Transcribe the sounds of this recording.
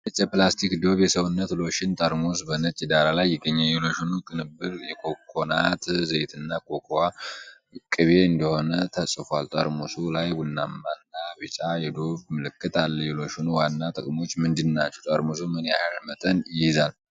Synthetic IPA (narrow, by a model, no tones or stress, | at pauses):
ɨt͡ʃʼːɛplast̪ʰikd̪o̞βjɛsəwunːət̪lo̞ʃɪnt̪ʼəɾmos̬bənət͡ʃʼid̪aɾalajːɪɡəɲːɛjɛlo̞ʃunukʼɨnɨbːɨɾjɛkʰokʰːona̰t̪zəjt̪ʰɨnːakʰo̞kʰoa | kʼɨβe̞ɨnd̪əho̞nət̪ʰəsʼɨfalt̪ʼəɾmosulajwʊnːamːanːaβɨt͡ʃʼajɛd̪o̞βmɨlɨkːɨt̪ʰalːəjɛlo̞ʃunuwanːat̪ʼɨkʼmo̞t͡ʃːmɨnd̪ɨnːat͡ʃːɛwt̪ʼəɾmosumɨna̰ɾmət̪ʼənjɪjɪzal